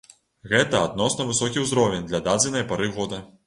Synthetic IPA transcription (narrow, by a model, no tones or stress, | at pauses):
ɣɛt̪ɐad̪̚nɔsnɐvɨsɔkʲiwzɾɔvʲɛnʲd̪lʲɐd̪ad͡z̪ʲɐnɐjɐpaɾɨɣɔd̪ɐ